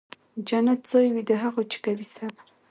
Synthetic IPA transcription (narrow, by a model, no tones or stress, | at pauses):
d͡ʒanat̪̚z̥ojwid̪əɦaɣot͡ʃɪ̥kawisa